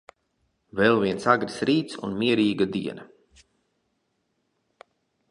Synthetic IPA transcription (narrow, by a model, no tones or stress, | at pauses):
vɛlˠviɛnsaɡɾisɾiːt̪sṵnmiɛɾiːɡad̪ḭɛna